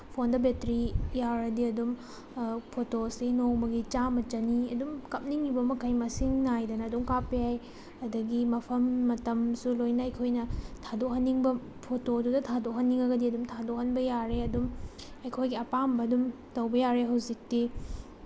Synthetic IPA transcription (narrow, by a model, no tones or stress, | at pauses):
pʰondɐbetɾijawɾɐdiɐdum | pʰotosinowmɐɡit͡ʃamɐt͡ʃɐniɐdumkɐp̚niŋibɐmɐkʰɐjmɐsiŋnajdɐnɐːdumkapːijaj | ɐdɐɡimɐpʰɐmːɐtɐmsulojnɐɐjkʰojnɐtʰadok̚ɦɐnːiŋbɐ | pʰotodudɐtʰadok̚ɦɐnːiŋɐɡɐdiɐdumtʰadok̚ɦhɐnbɐjaɾeɐdum | ɐjkʰojɡiɐpambɐːdum | tɐwbɐjaɾeɦɐwzik̚ti